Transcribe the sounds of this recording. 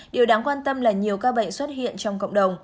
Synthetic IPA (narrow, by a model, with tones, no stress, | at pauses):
ɗi˨˩əwɗaː˨˦ŋkwaː˧nt̪ə˧mlaː˨˩ɲi˨˩əwkaː˧ɓə̰˧˨jŋ̟swə˦˥t̚hḭ˧˨ənt͡ɕɔ˧wŋ͡mkə̰˧˨wŋ͡mɗə˨˩wŋ͡m